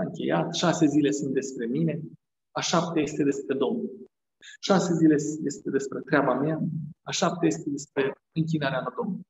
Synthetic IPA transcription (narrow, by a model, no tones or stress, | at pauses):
ɨŋkʲe̞̰jat̪ʃase̞zile̞sunt̪̚d̪e̞spɾe̞mine̞ | aʃap̚t̪aje̞st̪e̞d̪e̞spɾe̞d̪o̞mnul | ʃase̞zile̞je̞st̪e̞d̪e̞spɾe̞t̪ɾeabameaaʃap̚t̪eje̞st̪e̞d̪e̞spɾe̞ | ɨŋkʲinaɾeanod̪om